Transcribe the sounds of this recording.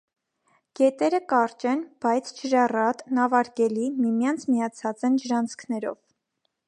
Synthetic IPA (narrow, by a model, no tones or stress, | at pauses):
ɡ̥ɛt̪ɛɾəkɑɾt͡ʃɛnb̥ɑjt͡sʰd͡ʒəɾɑrɑt̪nɑvɑɾɡɛlimimjɑnt͡sʰmijɑt͡sʰɑt͡sɛnd͡ʒəɾɑnt͡skʰnɛɾɔ̰v